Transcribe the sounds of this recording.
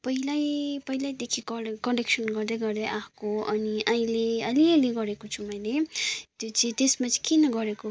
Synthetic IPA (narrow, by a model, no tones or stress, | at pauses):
pʌɦilajpʌɦilajd̪ekʰikʌkʌɖeksʌnɡʌrd̪eɡʌrd̪eʔakoʌniʔaĩleʌliʌleɡʌɾekot͡sʰumʌjlet̪jot͡sʌĩt̪esmat͡si̥kenʌɡʌɾeko